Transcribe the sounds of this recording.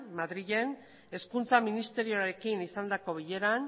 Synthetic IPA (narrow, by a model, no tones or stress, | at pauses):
maðɾiɣe̞n | e̞skunt͡saminist̪e̞ɾioaɾe̞kinisand̪ako̞βiʎe̞ɾan